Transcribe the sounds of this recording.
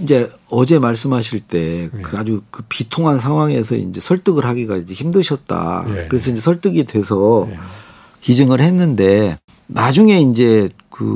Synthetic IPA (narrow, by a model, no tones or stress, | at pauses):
ind͡ʑe̞ | ʌd͡ʑe̞maɭs̬͈ɯmɦaɕʰiɭt͈e̞kɯad͡ʑukɯpitʰoŋɦans̬ʰaŋwaŋe̞sʰʌ̰ḭnd͡ʑe̞sʰʌɭt͈ɯɡɯɾɦaɡiɡa̰ind͡ʑe̞çimdɯɕʰʌt̚t͈a̰kɯɾe̞s̬ʰʌind͡ʑe̞sʰʌɭt͈ɯɡidwe̞sʰʌ | kid͡ʑɯŋɯɭhe̞nːɯnde̞ | nad͡ʑuŋe̞ind͡ʑe̞kɯ̰